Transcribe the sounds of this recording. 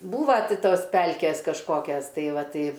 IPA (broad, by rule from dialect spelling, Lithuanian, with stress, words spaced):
ˈbuːʋɐ ˈtʲɪ ˈtoːs ˈpʲɛlʲkʲeːs kɐʃˈkoːkʲɛs ˈtɐɪ ˈʋɐ ˈtɐɪ